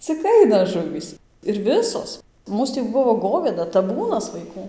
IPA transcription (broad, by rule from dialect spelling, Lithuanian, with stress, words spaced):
t͡sʲɪk ˈɐɪnɐ ˈʒʊʋʲiːs ɪr ˈʋʲɪsoːs ˈmuːs tʲiː ˈbʊʋoː ˈɡoːʋʲeːdɐ tɐˈbuːnɐs ʋɐɪˈkuː